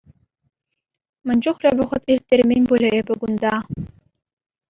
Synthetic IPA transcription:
mɘ̆nʲd͡ʑuχlʲɘʋŭʁɤ̆t̪irʲt̪ʲːeɾʲmʲenʲbulʲeebɘ̆ɡund̪ɑ

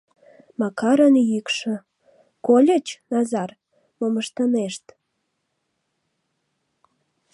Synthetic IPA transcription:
mɑkɑɾənjykʃə̆ | kolʲət͡ɕnɑzɑr | moməʃt̪əneʃt̪

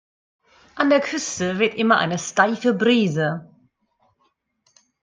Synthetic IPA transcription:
ʔandeːɐkʰʏstəvɪɐtʔɪmɐʔa̰ɪnəʃtaɪfəbʁiːzə

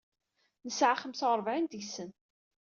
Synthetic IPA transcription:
nəsʕaχəmsəʁɾˤəvʕint̪əʝsən

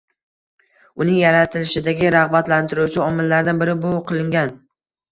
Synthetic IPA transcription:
ʊnɪŋjaɾat̪ʰɪlɪʃɪd̪aɡʲɪɾɑʁbat̪lant̪ʰɪɾuwt͡ʃʰɪɒmɪlːaɾd̪anbɪɾɪbʊqʰɨlˠɪŋɡʲan

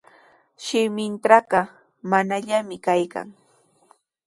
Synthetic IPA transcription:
ʃɪmɪnt̪ɾɑɢɑ | manaʎamɪkajka̰ŋ

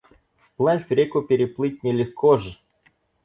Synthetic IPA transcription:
fplˠafʲɾʲekʊpʲɪɾʲɪplˠɨt̚ʲnʲɪlʲɪxkɔʐɛ

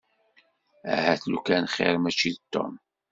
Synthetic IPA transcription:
æ̰hæθlukænχḛɾmæt͡ʃːiðt̪ːo̰m

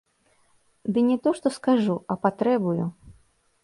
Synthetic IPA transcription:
d̪ɨnʲɛt̪ɔʂt̪ɔskaʐuɐpat̪ɾɛbuju

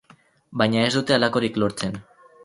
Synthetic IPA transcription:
bajɲae̞zd̪ut̪e̞alako̞ɾiklo̞ɾt͡se̞n

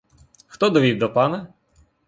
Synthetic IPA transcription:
xt̪ɔd̪ɔʋʲiwd̪ɔpɑnɛ

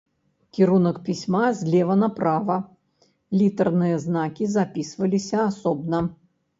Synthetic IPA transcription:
kʲiɾunɐkpʲisʲmazʲlʲɛvɐnɐpɾavɐ | lʲit̪ɐrnɨjɐznakʲizapʲisvɐlʲisʲɐasɔbnɐ

